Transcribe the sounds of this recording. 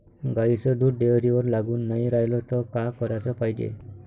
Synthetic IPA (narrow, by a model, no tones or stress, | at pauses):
ɡait͡sɔd̪uʈɖeɾiʋəɾlaɡuːnːajɾajlɔt̪ɔkakɔɾat͡sɔpaɦjd͡ʑḛ